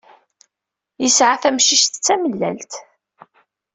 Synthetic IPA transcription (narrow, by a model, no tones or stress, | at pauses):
jəsʕaθæmʃiʃt̪t͡sːæməlːæ̰lt̪